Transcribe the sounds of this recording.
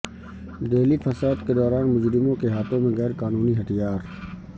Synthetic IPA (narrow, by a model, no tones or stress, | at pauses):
d̪eːlipʰɐsaːd̪ked̪ɔːɾaːnmʊd͡ʒɾɪmõkeɦaːt̪ʰõmẽɣɛːɾkaːnuːniɦɐt̪ijaːɾ